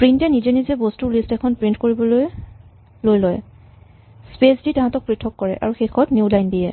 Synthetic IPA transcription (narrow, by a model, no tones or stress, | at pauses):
pɹintɛnizɛnizɛbɔstuɹlistɛkʰɔnpɹintkoɹibɔloj | lojlɔj | spesditaɦãtɔk̚pɹitʰːɔkːɔɹɛ̰ʔa̰ɹuxexʰɔtnjulajndijɛ